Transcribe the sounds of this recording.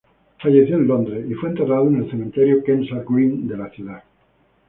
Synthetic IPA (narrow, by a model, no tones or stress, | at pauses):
faʝeθjoenlõnd̪ɾeifwent̪eraðoene̞lθemẽnt̪eɾjokensalkwind̪e̞laθjuða